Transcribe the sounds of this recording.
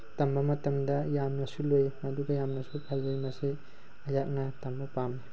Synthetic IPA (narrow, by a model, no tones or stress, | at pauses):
tɐmbɐmɐtɐmdɐjamnɐsulojmɐduɡɐjamnɐsupʰɐlːojmɐsi | ɐjak̚nɐtɐmbɐpami